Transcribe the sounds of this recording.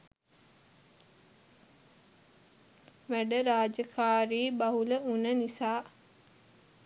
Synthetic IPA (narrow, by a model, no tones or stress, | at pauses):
ʋæɖəɾaːd͡ʒəkʰaːɾiːbaɦuləunənisaː